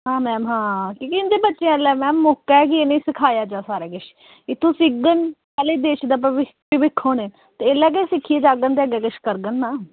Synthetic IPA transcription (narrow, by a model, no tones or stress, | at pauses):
ɦãːmɛːmɦãːkiːkɪɪnd̪eːbətːʃẽlɛːmɛːmːoːkːak̬ɪeːnẽiːsɪkʰaːjaːd͡ʒaːsaːɾaːkɪʃ | ɪt̪ʰːõːsɪɡənpɛːleːd̪eːʃd̪aːpɪpɪʋɪkʰːoːneː | t̪eːeːlɛːɡ̬esɪkʰːieːd͡ʒaːɡənd̪eəɡɛːkɪʃkəɾɡənːaː